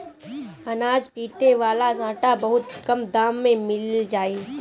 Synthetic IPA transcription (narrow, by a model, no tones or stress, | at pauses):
ɐnaːd͡ʒpiːʈeʋaːlasãːʈabɐɦʊt̪kɐmd̪aːmːẽmɪld͡ʒaːiː